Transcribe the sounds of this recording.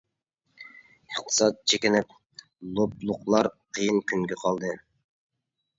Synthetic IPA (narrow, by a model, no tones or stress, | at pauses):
əχt̪ʰɨ̥sɑt̪̚t͡ʃʰekʲɪnɪp̚ | lˠoblˠʊqlˠɑɾqʰəjɨnkʲyŋɡʲɛqʰɑlˠd̪ɨ